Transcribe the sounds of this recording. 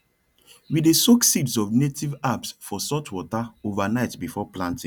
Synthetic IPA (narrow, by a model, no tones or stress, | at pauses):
widesoksidsɔvnetivabsfɔsɔtwɔtaovanaɪtbifɔplãntĩ